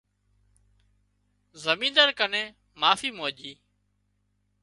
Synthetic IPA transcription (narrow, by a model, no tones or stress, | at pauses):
zəmĩːnd̪əɾkənẽː | maːfiːmoːʄiː